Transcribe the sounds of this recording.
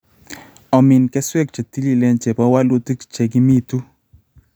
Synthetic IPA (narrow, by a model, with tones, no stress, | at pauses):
ɔ˨mɪ˨nkɛ˦swɛ˦k̚t͡ʃa˨t̪i˦li˦˨lɛ˦nt͡ʃe˨bɔ˦wa˦lo˦t̪i˦kt͡ʃe˨ɡi˦mi˦t̪u˦